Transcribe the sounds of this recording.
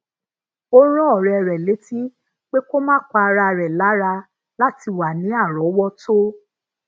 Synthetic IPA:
o˦ɾ̃ɔ̃˦ɔ˦˨ɾɛ˨ɾɛ˨le˨˦ti˦ | k͡pe˦ko˦mãː˦˨k͡pa˧ɾa˧˨ɾɛ˨la˨˦ɾa˧ | la˦ti˧wa˨nĩ˨˦a˦˨ɾɔ˨˦wɔ˦tʰo˦

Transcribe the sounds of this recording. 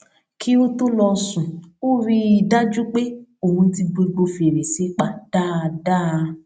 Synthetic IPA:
kʰi˦o˦to˦lɔ˧sũ˨o˦ɾi˧i˨da˦d͡ʒu˦k͡pe˦o˨hũ˧˦ti˧ɡ͡be˧ɡ͡bo˧fi˧e˨ɾe˨se˨˦k͡pa˦˨d̥a˦˧da˦˧

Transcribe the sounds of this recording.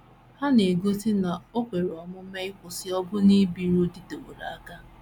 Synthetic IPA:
ha˦ne˨ɡo˦ti˦na˨o˦kʷe˨ɾɔ˨mʊ˦m̩˦me˦ɪ˦kʷʊ˨sɪ˦ɔ˦bʊ˦ni˦bi˨ɾo˦di˦to˨ɾa̰˨a˦ka˦

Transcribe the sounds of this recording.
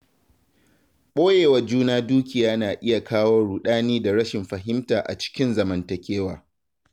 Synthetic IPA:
ɓoː˦jeː˨wɐ˨rd͡ʒuː˦naː˦duː˦kʲɪ˨jaː˦naː˨ʔɪ˦ja˨kʰaː˦woː˦ɽuː˨ɗaː˦niː˦da˨ɽɐ˦ʃɪ˨mɸɐ˨ɦɪ˦mtaː˨ʔa̰˨t͡ʃɪ̥˦kʲɪ˦nzɐ˨mɐ˨ntɐ˨kʲeː˦waː˨

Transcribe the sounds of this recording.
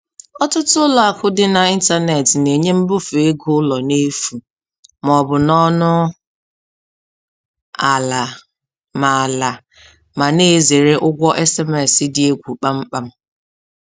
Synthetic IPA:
ɔ˦tʊ˦tʊ˦ʊ˦lɔ˨a˨kʊ˦dɪ˦na˨i˦n̩˦ta˦ne˨tne˨ɲe˦m̩˦bʊ˦fe˦ɡʊ˦lɔ˨ne˦fu˨ | mɔ˨bʊ˨nɔ˦nʊ˦ | a˨la˨ | ma˨la˨ | ma˨ne˦˨ze˨ɾe˦ʔʊ˦ɡʷɔ˦ʔɛ˦sɛ˦mɛ˨sɪ˦dɪ˨e˦ɡʷu˨k͡pa˦m̩˦k͡pa˦m̩˦

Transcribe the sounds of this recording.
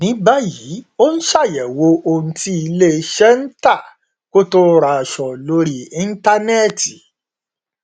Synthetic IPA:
nĩ˨˦ba˦ji˨˦o˦n̩˦ʃa˦˨jɛ˨wo˧o˧nũ˧ti˦i˧le˦˧ʃɛ˦n̩˦ta˦˨ | ko˦to˧ɾa˨ʃɔ˨lo˦ɾi˦ĩ˦n̩˦ta˦nɛ˦˨ti˨

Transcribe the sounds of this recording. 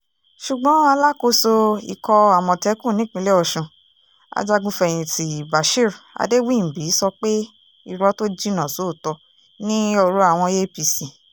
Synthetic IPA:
ʃu˨ɡ͡bɔ̃˨˦a˧la˦ko˧so˧ḭ˨kɔ˧a˨mɔ̃˨tɛ˨˦kũ˦˨nĩ˨˦k͡pĩ˧le˦ɔ˧˨ʃũ˧˨ | a̰˧d͡ʒa˧ɡũ˧fɛ˨j̃ĩ˨ti˨ba˨ʃi˦˨ɾa̰˧de˦wĩ˦˨bi˨˦sɔ˧k͡pe˦ | i˧ɾɔ˧˦to˦d͡ʒi˦nã˨so˨˦˨tɔ˧ | nĩ˦ɔ˧ɾu˧˦a˨w̃ɔ̃˧je˦pi˧sĩ˨

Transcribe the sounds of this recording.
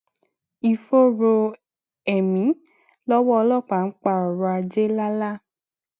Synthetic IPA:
i˨fo˦ɾo˧ | ɛ˨mĩ˨˦ | lɔ˦wɔ˦ɔ˧lɔ˦˨k͡pa˨n̩˦k͡pa˦˨ɔ˨ɾa˧d͡ʒe˦la˦la˦

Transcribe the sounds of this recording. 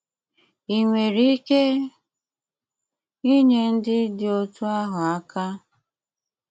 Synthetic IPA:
i˨ŋʷe˨ɾi˦i˦ke˦ | i˦ɲe˨n̩˦dɪ˦dɪ˨o˦tu˦a˦ɦʊ˨a˦ka˦

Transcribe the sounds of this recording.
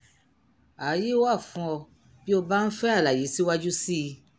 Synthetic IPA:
a˨˦ji˦wa˦˨fũ˧ɔ˧ | bi˦o˧ba˦n̩˦fɛ˦a˦˨la˨je˨˦si˦wa˦d͡ʒu˦si˦˧

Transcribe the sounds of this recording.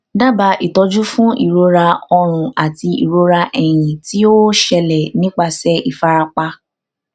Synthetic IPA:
da˦ba˧˦ʔi˨tɔ˧d͡ʒu˦fũ˦ʔḭ˨ɾo˨˧ɾa˧ɔ˧ɾ̃ũ˧a˨ti˧ḭ˨ɾo˧˦ɾa˧ʔɛ˨j̃ĩ˨ti˦o˦ʃɛ˧lɛ˨nĩ˦k͡pa˧˨sɛ˦i˨fa˧ɾa˧k͡pa˧

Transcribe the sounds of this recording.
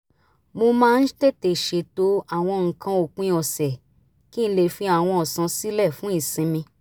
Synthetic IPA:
mo˧mãː˦˧n̩˦te˦˨te˨ʃe˨to˦a˦˨w̃ɔ̃˧ŋ̩˨kʰã˧o˨k͡pĩ˧˦ɔ˨sɛ˨ | ki˦n̩˦le˦˨fĩ˧˦a˦˨w̃ɔ̃˧ɔ˨sã˨˧si˦lɛ˦˨fũ˨˦i˦˨sĩ˧˦mĩ˧

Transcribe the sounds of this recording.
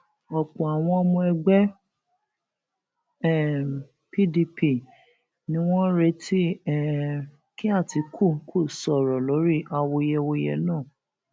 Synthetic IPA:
ɔ˨k͡pɔ̃˨a˨w̃ɔ̃˧mũ˧ɛ˧ɡ͡bɛ˦ | ɛ˦˨ | pi˦di˧pi˧˨ | nĩ˧˦w̃ɔ̃˦ɾe˧tʰi˦˨ | ki˦a˦˨ti˨˧kʰo˦˨˦kʰo˦˨sɔ˨ɾɔ˨lo˨˦ɾi˦ʔa˧wo˧jɛ˧wo˧jɛ̰˧nãː˦˨

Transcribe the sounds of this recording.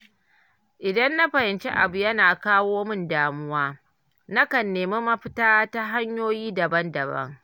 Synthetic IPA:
ʔɪ˨dɐ˦nːa˦ɸɐ˨hɪ˨nt͡ʃe˦ʔa̰˨bu˨jɐ˦naː˨kaː˦woː˦mɪ˦ndaː˨mʊ˦waː˦ | na˦kɐ˨nːeː˨me˦mɐ˦ɸɪ˦taː˦ta˦ɦa˦ɲjoː˦jiː˦dɐ˨bɐ˦ndɐ˨bɐ̰˦ŋ

